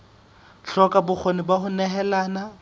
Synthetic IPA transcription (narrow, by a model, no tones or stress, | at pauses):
ɬɔkʼabʊk͡xʰonɪbahʊnɛɦɛlaːna